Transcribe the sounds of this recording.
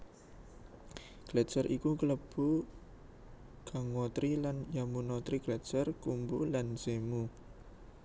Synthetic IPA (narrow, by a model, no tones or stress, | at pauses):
ɡ̥lḁd͡ʒ̥arʔikukələb̥u | kaŋwot̪ɾilanjamunot̪ɾiɡ̥lḁd͡ʒ̥arkumbulansemu